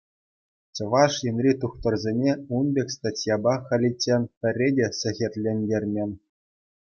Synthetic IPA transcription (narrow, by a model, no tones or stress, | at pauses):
t͡ɕɤ̆ʋɑʂjɘ̆nʲrʲit̪uχt̪ɤ̆rzʲenʲeunbʲekʲst̪atʲjɑbɑχɘ̆lʲit͡ɕʲːenʲpʲɘ̆rʲːedʲesʲɘ̆xʲĕtʲlʲenʲdʲerʲmʲenʲ